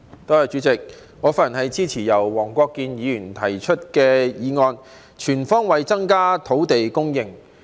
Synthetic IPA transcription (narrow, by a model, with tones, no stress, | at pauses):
t̪oː˥hɐ˨jt͡ʃyː˨˥t͡sɪ˨k̚ | ŋɔː˨˧faː˥jɐ˨˩nhɐ˨jt͡siː˥t͡sʰiː˨˩jɐ˨˩wːɔː˨˩ŋkʷɔː˧kːiː˧njiː˨˧jyː˨˩nt̪ʰɐ˨˩jt͡ʃʰɵ˥t̚kɛː˧jiː˨˧ŋɔː˧n | t͡ʃʰyː˨˩nfɔː˥ŋwɐ˨jt͡sɐ˥ŋkaː˥t̪ʰo˨˥wt̪e˨jkʊ˥ŋjɪ˨ŋ